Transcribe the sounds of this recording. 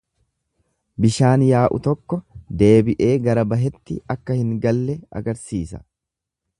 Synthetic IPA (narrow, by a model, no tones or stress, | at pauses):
bɪʃaːnjaːʔʊ̰t̪ɔkːɔd̪e̞ːbɪʔe̞ːɡɐɾɐbɐɦɛt̪ːɪɐkːɐhɪŋɡɐlːɛɐ̰ɡɐɾsiːsɐ̥̰